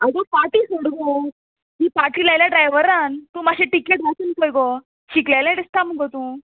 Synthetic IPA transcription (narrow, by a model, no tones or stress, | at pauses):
aɡ̪afaʈiːsəɽɡo | ɦiːpaʈɾiːlajljaɖɾajʋəɾant̪ũmaɕẽʈikeʈʋatunkəjɡo | ɕiklajlaɖist̪aməɡʱot̪ũ